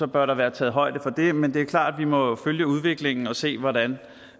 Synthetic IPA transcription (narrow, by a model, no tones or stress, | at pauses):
ɒ̽b̥ɶɐɾɑ̈ʋæːɐt͡sʰɛ̰ːð̩ˠɦɒ̽ɪ̰d̥əfɒ̽d̥e̝mend̥e̝æɐkʰlɑ̰̈ːd̥ʋimɒ̽føljəuð̞ˠʋe̝ɡ̥le̝ŋn̩ɒ̽se̝̰ːʋɒɾæn